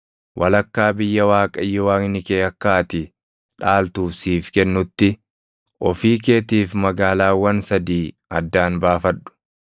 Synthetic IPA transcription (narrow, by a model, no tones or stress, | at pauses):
wʔɐlɐkːaːbɪjːɐwaːkʼɐɪjːɔwaːŋɪnɪkeːɐkːaːt̪ɪ | ᶑaːlt̪uːfsiːfkɛnːʊt̪ːɪ | ʔɔfiːk̬e̞ːt̪iːfmɐɡaːlaːwːɐnsɐd̪iː | ɐd̪ːaːnbaːfɐᶑʊ̥